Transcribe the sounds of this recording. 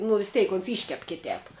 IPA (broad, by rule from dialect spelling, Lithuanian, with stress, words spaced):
nʊ ʋʲɪs ˈtʲɛɪk oːns ˈiːʃʲkʲɛp ˈkʲɪtʲɛːp